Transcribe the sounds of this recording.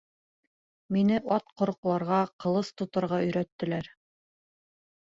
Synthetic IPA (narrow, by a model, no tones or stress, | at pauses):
minɘʔɑt̪qŏɾɤ̆qlˠɑɾʁɑqɤ̆lˠɤst̪ŏt̪ɤ̆ɾʁɑɵ̆jɾæt̪ːɘ̆læɾ